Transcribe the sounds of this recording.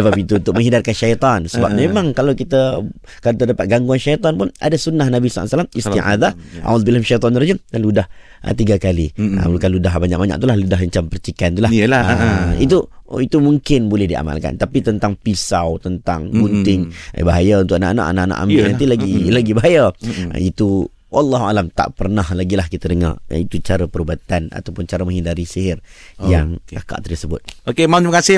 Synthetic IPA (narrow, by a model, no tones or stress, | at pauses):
səbapit̪uunt̪ʊk̚mə̃ŋɦidarkanʃajt̪ˤɔnsəba̰p̚mẽmãŋkalawkit̪a | kat̪ədapat̪̚ɡaŋɡuanʃajt̪ˤɑɔnpʊna̰dasunːahnabisa̰salamist̪iʔa̰d̪aʔa̰wzbilhamʃajt̪̬ˤɔnɾad͡ʒəmdanludah | ʔə̰t̪iɡakaliə̰ukanludaɦbaɲa̰k̚baɲa̰k̚t̪ulahludaɦəɲt͡ʃampərt͡ʃikant̪ulah | it̪uit̪umuŋkɪnbolɛhdia̰ma̰lka̰nt̪apit̪ənt̪aŋpisawt̪ənt̪a̰ŋbunt̪ɪŋ̰baɦajaunt̪ʊkana̰ʔana̰ʔa̰naʔana̰ʔa̰mɪnant̪ilaɡilaɡibaɦaja̰it̪u | wʔalːɑɦualamt̪a̰ʔpərnahlaɡilahkit̪ədəŋa̰r̰it̪ut͡ʃaɾəpəɾubat̪ana̰t̪awpʊnt͡ʃaɾəmaɦindaɾisiɦɪrjaŋkaka̰ʔt̪ərsəbʊ̰t̪̚okemamt̪iməkasɪ